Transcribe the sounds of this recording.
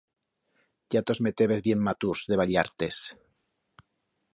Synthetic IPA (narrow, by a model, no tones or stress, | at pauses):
ɟ͡ʝat̪ozmet̪eβeθβjemːat̪uzðeβaʎaɾt̪es